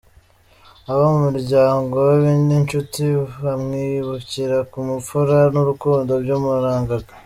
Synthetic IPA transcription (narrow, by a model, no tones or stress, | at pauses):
aβamumuɾɟaːŋɡo̞weβiːndint͡ʃutiβamŋiːjuβuciɾakumufuɾanuɾukuːndo̞ɾɟomuɾaːŋɡaɡa